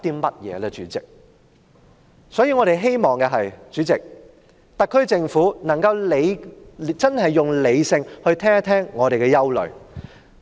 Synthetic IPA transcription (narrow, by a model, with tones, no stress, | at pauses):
t̪iː˥mɐ˥t̚jɛ̰ː˨˧lɛ˧t͡ʃyː˨˥t͡sɪ˨k̚ | sɔː˨˥jiː˧ŋɔː˨˧ɾe˨˩jɦe˥jmɔː˨˩ŋkɛ˧ɦɐ˨jt͡ʃyː˨˥t͡sɪ˨k̚ | t̪ɐ˨kʰːɵ˧˥t͡sɪ˧ŋfuː˨˥nɐ˨˩ŋkɐ˧wle˨˧jt͡sɐ˥nhɐ˨jːʊ˨ŋle˨˧jsɪ˧ŋhɵ˧ɥt̪ʰɛː˥ŋa˥t̪ʰɛː˥ŋːɔː˨˧ɾe˨jkɛ˧jɐ˥wlɵ̰˨˩ɥ